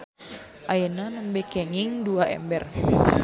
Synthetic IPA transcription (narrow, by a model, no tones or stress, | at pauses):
ʔajənanəmbɛkɛŋiŋduaʔɛ̰mbɛr